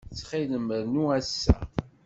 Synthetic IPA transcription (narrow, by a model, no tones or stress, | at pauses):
t͡sːχiləməɾnuæsːæ̰